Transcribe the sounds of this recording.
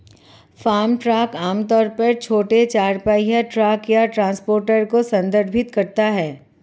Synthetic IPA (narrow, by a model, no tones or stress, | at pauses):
faːmʈɾaːkaːmt̪ɔːɾpɐɾt͡ʃʰoːʈet͡ʃaːɾpaːijaʈɾaːkjaʈɾãːnspoːɾʈəɾkosɐ̃nd̪əɾbʱɪt̪kɐɾt̪aɦɛː